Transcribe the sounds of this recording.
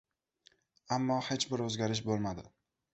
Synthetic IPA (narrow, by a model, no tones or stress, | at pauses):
amːɒhe̞t͡ʃbɪɾɵzɡʲaɾɪʃ̬bolˠmad̪ɪ